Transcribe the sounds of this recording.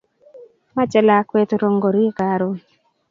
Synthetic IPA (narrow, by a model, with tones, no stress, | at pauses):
ma˦t͡ʃɛ˨la˨kwe˦t̪ɾo˦ŋɡo˨ɾi˦ka˨ɾo˨˦